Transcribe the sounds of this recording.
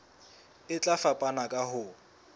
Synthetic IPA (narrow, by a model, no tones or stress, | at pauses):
ɪt͡ɬʼafapʼanakʼahʊ